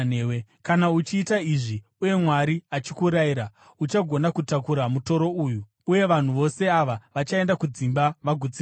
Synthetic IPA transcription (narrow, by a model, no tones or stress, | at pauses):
ewe | kanaut͡ʃiːtaiʐi | uje̞mwaɾiat͡ʃikuɾaiɾa | ut͡ʃaɡʱo̞nakutakuɾamuto̞ɾo̞uju | uje̞ʋan̤uʋo̞se̞aʋaʋat͡ʃae̞ndakud͡zimbaʋaɡʱud͡zi